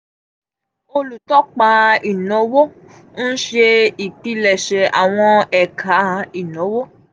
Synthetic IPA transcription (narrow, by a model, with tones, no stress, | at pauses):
o˧lu˨tɔ˦k͡pa˨˦i˨nɔ̃˨˦wo˦ | n̩˦ʃe˧i˨ti˧˦lɛ˨ʃɛ˨ʔa̰˨w̃ɔ̃˧ɛ˨kʰa˨˦i˨nɔ̃˨˦wo˦